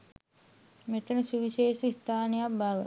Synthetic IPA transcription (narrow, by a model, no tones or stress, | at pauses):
met̪ənəsuʋiʃeːʃəist̪ʰaːnəjabaʋə̰